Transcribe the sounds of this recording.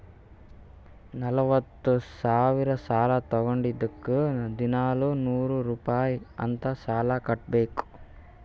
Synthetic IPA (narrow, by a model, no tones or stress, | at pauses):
nɐlɐʋɐt̪ːusaːʋiɾɐsaːlɐt̪ɔɡoɳɖid̪ɐkːud̪inaːlunuːɾuɾuːpaːjiɐ̰nt̪ɐsaːlɐkɐʈ̚beːku̥